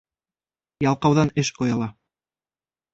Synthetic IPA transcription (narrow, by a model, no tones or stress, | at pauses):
jɑlˠqɑwðɑnɘʃqŏjɑlˠɑ